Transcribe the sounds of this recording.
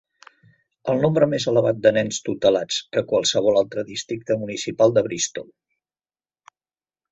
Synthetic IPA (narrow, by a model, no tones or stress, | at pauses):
əlˠnombɾəmezələβat̪̚d̪ənɛnst̪ut̪əlat͡skəkwəlˠsəβ̞ɔlalˠt̪ɾəðist̪ɾik̚t̪əmunisipalˠd̪əβɾist̪ɔlˠ